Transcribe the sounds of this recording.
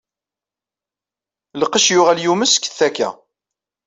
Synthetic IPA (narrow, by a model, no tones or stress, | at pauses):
ləqəʃjʊʁæljuməskːə̥θækːæ̰